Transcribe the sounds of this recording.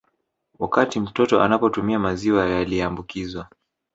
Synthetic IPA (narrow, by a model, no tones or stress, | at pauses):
wakatim̩tɔtɔʔanapɔtumiamaziwajaliɛambukizwa